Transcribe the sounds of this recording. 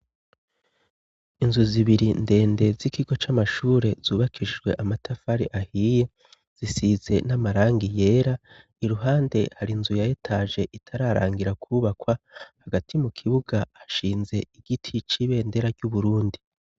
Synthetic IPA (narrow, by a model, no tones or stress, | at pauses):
inzuziβiɾinde̞ːnde̞zikiɡo̞t͡ʃamaʃuːɾe̞z̥uːβakʰid͡ʒɡwe̞ʔamatʰafaɾiʔahiːje̞ | z̥isize̞namaɾaːŋɡije̞ːɾa | iɾuɦaːnde̞haɾinzujajetʰaːʒe̞ʔitʰaɾaɾa̰ːŋɡiɾakʰuβakwahaɡatʰimukʰiβuɡaːʃiːnze̞iɡ̥itʰit͡ʃiβe̞ːnde̞ɾaɾɟuβuɾuːndi